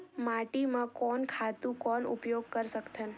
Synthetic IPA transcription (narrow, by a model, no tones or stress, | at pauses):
maʈimãkɔnkʰat̪ũkɔnṵpjoɡ̚kəɾʃəkt̪ʰən